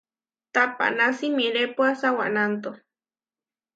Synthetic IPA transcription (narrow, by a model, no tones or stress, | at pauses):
t̪apa̰ʔnasimiɾepwasawa̰ʔnant̪o